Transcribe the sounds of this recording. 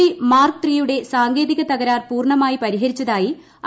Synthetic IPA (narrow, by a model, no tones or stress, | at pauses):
imaːrkt̪rijuɽe̞saːŋɡe̞ːðiɣɐt̪ɐɣɐɾaːrpuːrɳɐmaːjipɐɾiɦɐɾit͡ɕːɐðaːji | ɐ